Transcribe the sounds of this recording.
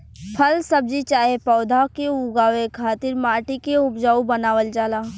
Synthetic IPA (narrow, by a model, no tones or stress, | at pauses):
pʰɐlsɐb̚d͡ʒit͡ʃaːɦepɔːd̪ʱakeʊɡaːʋekʰaːt̪ɪɾmaːʈikeʊpd͡ʒaːubənaːʋəld͡ʒaːlaː